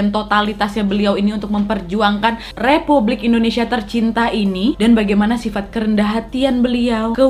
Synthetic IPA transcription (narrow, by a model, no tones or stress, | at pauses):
ant̪ot̪alit̪asɲabəliawiniunt̪ʊk̚məmpərd͡ʒuaŋkan | republɪkindonesiat̪ərt͡ʃint̪aʔinidanbaɡajmanasifat̪̚kəɾəndaɦat̪ianbəliawkə